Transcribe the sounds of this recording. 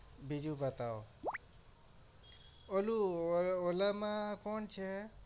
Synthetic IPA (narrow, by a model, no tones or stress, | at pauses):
bʱid͡ʒubət̪ao | oluolamãkont͡ʃʰe